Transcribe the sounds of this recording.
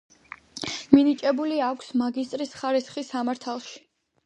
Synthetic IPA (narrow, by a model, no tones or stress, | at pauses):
minit͡ʃʼɛbuliakʷʰsmaɡist̪ʼɾisχaɾisχisamaɾt̪ʰalˠʃi̥